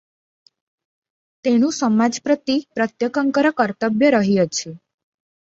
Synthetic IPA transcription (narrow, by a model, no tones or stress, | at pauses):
t̪enũsəmad͡ʒpɾət̪ipɾət̪jəkəŋkəɾəkəɾt̪əbjəɾəɦijet͡ʃʰe